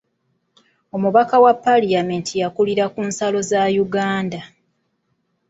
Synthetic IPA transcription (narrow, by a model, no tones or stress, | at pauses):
o̞muβakawapːaliamentʰijakuliɾakuːnsalo̞zajuɡaːnda